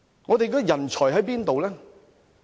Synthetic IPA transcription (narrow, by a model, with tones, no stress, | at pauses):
ŋɔː˨˧t̪e˨jkɔː˥˧jɐ˨˩nt͡ʃʰɔː˨˩jɦɐ˨˥jpiː˥nt̪o˨wlɛː˦˥